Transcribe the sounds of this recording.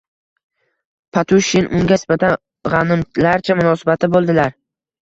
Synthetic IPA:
pʰat̪ʰʊʃːinʔʊŋɡʲaɪsbat̪ʰan | ʁɑnɪmlaɾt͡ʃʰamʊnɒsɪbat̪ʰɪbolˠd̪ɪlaɾ

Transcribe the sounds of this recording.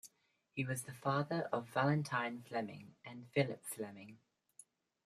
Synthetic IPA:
hiwɒzðəfɑːðəɹʔəvalə̃ntʰãɪ̃nflɛmɪ̰̃ŋʔə̃nfɪlɪpflɛmɪ̃ŋ

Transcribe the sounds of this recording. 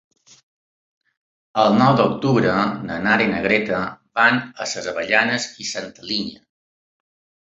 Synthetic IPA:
əlˠnɔwd̪əuk̚t̪uβɾənənaɾenəɣɾet̪əβanəsəzəβəʎanəzisant̪əliɲə

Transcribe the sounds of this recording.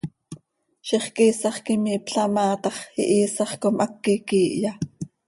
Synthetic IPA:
ʃiχkiːsɑχkimiːpɬɑmɑːt̪ɑχḭʔiːsɑχkomʔɑkːikiːʔjɑ

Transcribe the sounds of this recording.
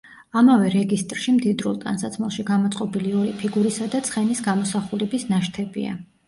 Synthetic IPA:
amavɛɾɛɡist̪ʼɾʃimd̪id̪ɾulˠk̪ʼa̰nsat̪sʰmalˠʃiɡamɔt̪sʼqʼɔbiliɔɾipʰiɡuɾisad̪at̪sʰχɛnisɡamɔsaχulɛbisnaʃt̪ʰɛbḭa̰

